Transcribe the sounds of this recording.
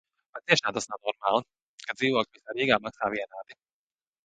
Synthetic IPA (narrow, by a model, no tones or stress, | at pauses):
pat̪siɛʃnaːt̪asnawnɔɾmaːlˠi | kad̪ziːvɔklʲivisaːɾiːɡaːmaksaːʋiɛnaːt̪i̥